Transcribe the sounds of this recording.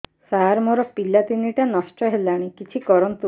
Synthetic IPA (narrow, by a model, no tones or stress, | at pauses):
saːɾmɔɾɔpilat̪iniʈanɔsʈɔɦelaɽ̃ikit͡ʃʰikɔɾɔnt̪u